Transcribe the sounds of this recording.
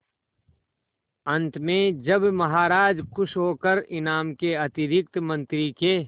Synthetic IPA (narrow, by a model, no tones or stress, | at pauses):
ɐ̃nt̪mẽd͡ʒəbmɐɦaːɾaːd͡ʒkʊʃʰɦoːkəɾɪnaːmkeɐt̪ɪɾɪk̚t̪mɐ̃nt̪ɾike